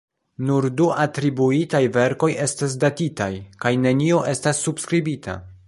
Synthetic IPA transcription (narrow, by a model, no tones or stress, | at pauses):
nuɾduʔatɾibuitajve̞ɾko̞je̞stas̬datitajkajne̞nio̞ʔe̞stasːubskɾibitʰa̰